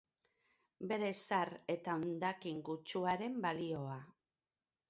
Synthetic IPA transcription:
be̞ɾe̞saɾe̞t̪ao̞nd̪akiŋɡut͡ʃuaɾe̞mbalio̞a

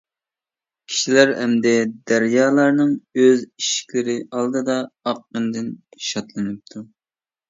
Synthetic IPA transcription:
kʲʰi̥ʃilæɾhɛmd̪ɛd̪æɾjɑːlˠɑɾnɨŋøziʃi̥kʲlɪɾɪɑlˠd̪ɨd̪ɑɑqːənd̪ɪnʃɑt̪lˠɨnɨp̚t̪ʰu

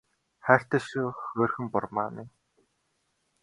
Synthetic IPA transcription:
χæːɬʲt̪ə̆ʃoːxoːrxɘ̆mpʊrma̰ːni

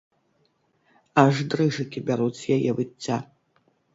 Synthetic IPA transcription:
aʐd̪rɨʐɨkʲibʲaɾut͡sʲjajɛvɨt͡sʲːa

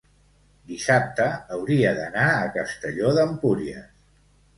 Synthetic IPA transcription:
d̪isap̚t̪əːwɾiəðənaəkəst̪əʎoðəmpuɾiə̰

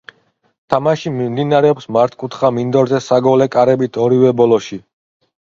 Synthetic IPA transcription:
t̪ʰamaʃimimd̪inaɾɛɔpsmaɾt̪̚ʰkʼut̪ʰχamind̪ɔɾzɛsaɡɔlɛkʼaɾɛbit̪ʰɔɾivɛbɔlɔʃi

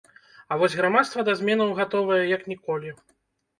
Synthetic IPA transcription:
ɐvɔsʲɣɾamat̪st̪vɐd̪azʲmʲɛnɐwɣat̪ɔvɐjɛjɐknʲikɔlʲi

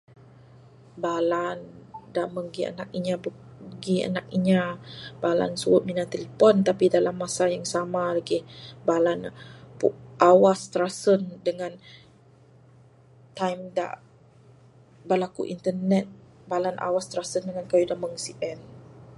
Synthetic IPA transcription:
balandaʔməŋɡia̰nak̚iɲabə | ɡia̰nak̚iɲabala̰nsuʊt̪̚minat̪eləpɔnt̪apidalamːasajaŋsamalaɡɪhbalanpṵʔʔawast̪ɾasəndəŋan | t̪ajmda̰ʔ | bəlakṵʔḭnt̪ərnɛt̪̚ | balanʔa̰wast̪ɾasəndəŋankajudaməŋsiʔɛn

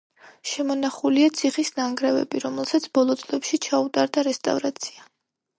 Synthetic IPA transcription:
ʃɛmɔnaχuliat̪sʰiχisnaŋɡɾɛvɛ̰biɾɔmɛlˠsat̪sʰbɔlˠɔt̪sʼlɛpʃit͡ʃʰaut̪ʼaɾd̪aɾɛst̪ʼa̰vɾat̪sʰi̥a

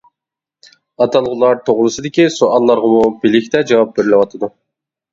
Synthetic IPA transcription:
ɑt̪ʰɑlˠʁʊlˠɑɾt̪ʰoʁlˠɨsɨd̪ɪkʲisoʔɑlˠːɑɾʁɑmʊbilɪkʲt̪ɛd͡ʒɑwɑp̚beɾɪlʲɪwɑt̪ʰəd̪u

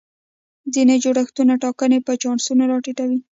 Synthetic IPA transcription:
zined͡ʒoɽaxt̪unaʈɑkənepət͡ʃɑɳsunaɾɑʈiʈawi

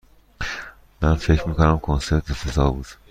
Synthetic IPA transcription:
mænfecʰɾmiːkonæmkʰonse̞ɾt̪ʰefezɒːbuːd̪̥

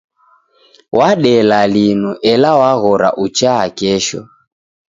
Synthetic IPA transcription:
waɗɛlalinuʔɛlawaɣɔɾa̰ʔut͡ʃaːkɛʃɔ̰

